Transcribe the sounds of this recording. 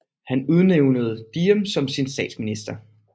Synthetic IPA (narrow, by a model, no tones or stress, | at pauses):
hænuð̞ˠneʊnəð̞̩ˠd̥iːəmsɒ̽msinsd̥ɛ̰ːd̥sminisd̥ɐ